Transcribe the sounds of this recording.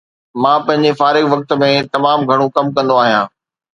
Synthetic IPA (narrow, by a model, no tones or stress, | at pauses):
mãːpɐ̃ɦɪ̃ɲd͡ʑefaːɾɪkʋɐk̚t̪̆mẽt̪ɐmaːmɡʱɐɽ̃ũkɐmkɐ̃nd̪oaːɦijãː